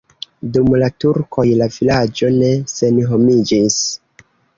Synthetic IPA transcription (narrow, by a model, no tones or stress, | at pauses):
dumlatuɾko̞jlavilad͡ʒo̞ne̞se̞nɦo̞mid͡ʒis